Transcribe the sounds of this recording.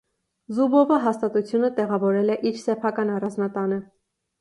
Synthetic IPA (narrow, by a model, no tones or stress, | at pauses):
zubɔvəɦɑst̪ɑt̪ut͡sʰjunət̪ɛʁɑvɔɾɛlɛʔiɾsɛpʰɑkɑnɑrɑnznɑt̪ɑnə